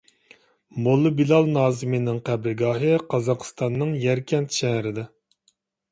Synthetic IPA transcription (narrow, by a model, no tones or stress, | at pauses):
molˠːɨbilˠɑlˠnɑːzɨmɨnɪŋqʰæbɾɨɡɑːɦɨqʰɑzɑqʰst̪ɑnːɨŋjɛɾkʲʰɛnt̪ʃɛhɾɪd̪ɛ